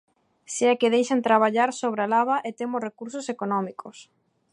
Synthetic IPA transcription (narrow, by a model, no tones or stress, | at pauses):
seakɪðejʃent̪ɾaβ̞aʎaɾsoβ̞ɾalaβaʔet̪emʊrekuɾsosekonɔmikʰos